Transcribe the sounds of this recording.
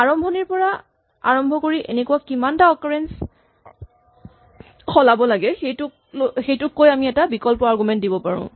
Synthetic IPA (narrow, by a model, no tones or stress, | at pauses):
aɹɔmbʱɔniɹpɔɹa | a̰ɹɔmbʱɔkoɹiʔḛnekuwakimantaɔkaɹɛns | xɔlabɔlaɡɛxejtʊk̚ | xejtʊkːojamiɛtabikɔlpɔaɹɡumɛnt̚dibɔpaɹṵ̃